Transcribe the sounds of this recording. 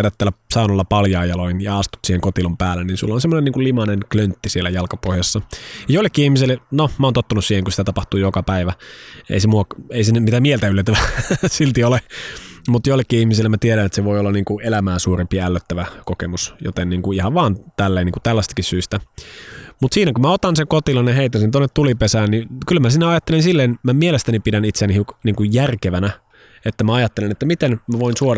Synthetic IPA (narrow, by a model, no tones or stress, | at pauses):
ɾæt̪t̪ːælːæsɑˑunɑlːɑpɑljɑːjɑloinjɑɑst̪u̥t̪siːheŋkot̪ilompæːlːeninsulːonsemːoneniːŋkullimɑnenklønt̪ːisielæjɑlkɑpohjɑsːɑjɑjoilːekːiːihmiselːenomæont̪ot̪ːɑnussiːheŋkusi̥t̪æt̪ɑpɑht̪uːjokɑpæiʋæḛisemuɑeisenymit̪æmielt̪æylːet̪ːæʋæsilt̪iolemut̪joilːekːiihmisilːemæt̪ieɾænet̪seʋoiolːɑniːŋkuelæmæːsuːrimpiælːøt̪ːæʋækokemusjo̰t̪enniːŋkuihɑʋʋɑːnt̪ælːeːniːŋkut̪ælːæst̪ɑ̥kissyst̪æ | mut̪siːnækumæot̪ɑnseŋkot̪ilɑnjɑheit̪ːæsint̪onːet̪t̪ulipesæːnnikylmæsinːæɑjɑt̪ːelinsilːeːnmæmielest̪ænipidænit̪seænihikniːŋkujjærkeʋænæ | et̪ːæmæɑjɑt̪ːelenet̪ːæmit̪enmæʋoinsuoɾɑ